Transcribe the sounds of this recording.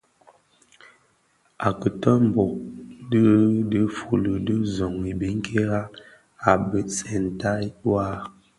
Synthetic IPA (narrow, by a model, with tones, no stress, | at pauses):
a˨kə˨tɔ˦m̩˨bo˨ʔ̚də˦də˦fu˨lə˨də˦zɔ˨ŋi˨bi˦ŋ˦kʰe˦ɣa˦ | a˨bə˨t͡sɛ˨n˨ta˦jwa˦˨